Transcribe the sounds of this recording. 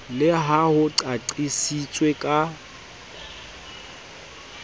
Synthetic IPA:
lɪɦahʊǀaǀisit͡sʼwekʼa

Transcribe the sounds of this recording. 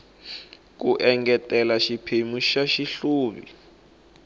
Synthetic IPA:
k̬uʔɛŋɡɛtɛlaʃipʰemuʃaʃiɬuːβḭ

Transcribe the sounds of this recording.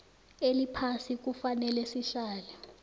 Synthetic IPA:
elipʰasik̬ufanɛlɛsiɬaːla

